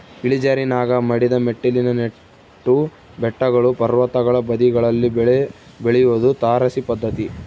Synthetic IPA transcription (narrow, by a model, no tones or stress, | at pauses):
iɭid͡ʒaːɾinaːɡɐmɐɽid̪ɐmeʈːilinɐne | ʈːu | bɛʈːɐɡɐɭupɐɾʋɐt̪ɐɡɐɭɐbɐd̪iɡɐɭɐlːibɭ | beɭɛjuʋod̪ut̪aːɾɐsipɐd̪ːɐt̪i